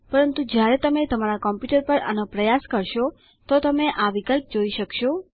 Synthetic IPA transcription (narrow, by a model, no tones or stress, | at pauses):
pəɾənt̪ũd͡ʒjaɾɛt̪əmet̪əmaɾakɔmpjuʈəɾpəɾə̰nopɾəjaskəɾʃo | t̪ot̪əmeʔaʋikəlp̚d͡ʒoiʃəkʃo